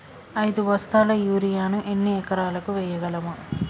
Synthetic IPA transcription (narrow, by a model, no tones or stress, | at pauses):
ɐjd̪uʋɐst̪aːlɐjuːɾijaːnuʔenːiɛkɐɾaːlɐkuʋɛjːɐɡɐlɐmu